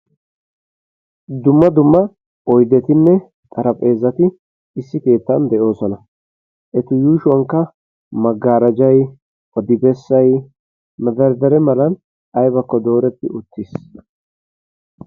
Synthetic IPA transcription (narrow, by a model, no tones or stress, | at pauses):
d̪ʊmːɐd̪ʊmːɐ | ʔɔjd̪ɛt̪ɪnːɛ | t̪ʼɐɾɐpʼe̞ːzːɐt̪ɪ | ɪsːɪke̞ːt̪ːɐnd̪ɛʔo̞ːsɔnɐ | ʔɛt̪ʊjuːʃʊwɐŋkːɐ | mɐɡːaːɾɐd͡ʒɐj | ɔd̪ɪbɛsːɐj | mɐd̪ɐɾd̪ɛɾɛmɐlɐn | ɐjbɐkːɔd̪o̞ːɾɛt̪ːɪʊt̪ːɪs